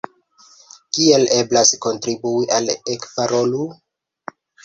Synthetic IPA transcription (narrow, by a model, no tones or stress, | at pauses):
kie̞le̞blasko̞ntɾibuiʔalekvaɾo̞lu